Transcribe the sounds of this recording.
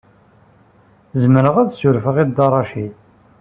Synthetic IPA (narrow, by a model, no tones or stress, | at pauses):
zəməɾəʁæðsʊɾfəʁid̪ːɑrˤːɑʃil